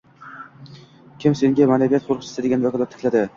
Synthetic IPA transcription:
kʲʰɪmse̞ŋɡʲamanabijat̪χoɾˠʰɨt͡ʃʰɪ̥sɪd̪eɡʲanvakʰɒlˠat̪ʰːɪ̥kʰʲlad̪ɪ

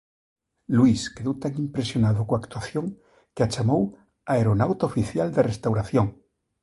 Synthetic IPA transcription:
lwiskeðowt̪aŋimpɾesjonaðokoakt̪waθjoŋ | keat͡ʃamow | aeɾonawt̪aofiθjald̪erest̪awɾaθjoŋ

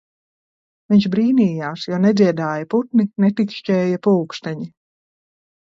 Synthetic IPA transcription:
viɲʃbɾiːniːjaːsjɔːnɛd̪ziɛd̪aːjɐput̪ninɛt̪ikʃt͡ʃʲɛːjapuːkst̪aɲi

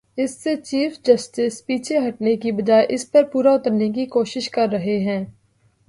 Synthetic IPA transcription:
ɪsːet͡ʃiːfʰd͡ʒɐsʈɪspiːt͡ʃʰeɦɐʈnekibɐd͡ʒaːeʔɪspɐɾpuːɾaʊt̪əɾnek̬ikoːʃɪʃkɐɾːɐɦeɦɛ̃ː

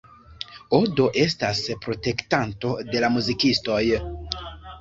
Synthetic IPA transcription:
odo̞ʔe̞staspɾo̞te̞ktanto̞de̞lamuzikisto̞j

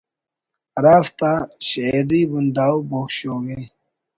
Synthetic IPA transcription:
ɾaːft̪aɕeɖiːbund̪aːwboːkɕoːɡe

